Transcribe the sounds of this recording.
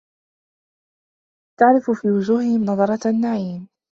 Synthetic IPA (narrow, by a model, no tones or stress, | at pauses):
t̪aʕɾɪfʊfiːwʊd͡ʒuːhɪhɪmnɑðˤɑɾˤɑanːaʕiːm